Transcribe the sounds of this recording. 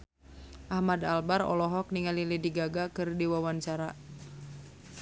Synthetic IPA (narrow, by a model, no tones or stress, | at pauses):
ʔahmadalbaɾɔ̰lɔɦɔk̚niŋalilidiɡaɡakɨrdiwawant͡ʃaɾa